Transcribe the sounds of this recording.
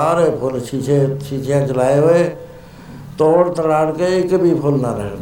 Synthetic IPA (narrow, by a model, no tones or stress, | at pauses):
aːɾepʰʊlʃit͡ʃʰeʃiːt͡ʃʰjãt͡ʃəlaːeɦoe | t̪oːɽt̪əlaːɽkeɪkbʱipʰʊlnaɾə̰ɦe